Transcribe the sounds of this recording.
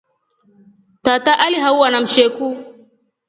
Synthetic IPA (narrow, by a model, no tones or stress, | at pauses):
tataʔaliɦawwanamʃeku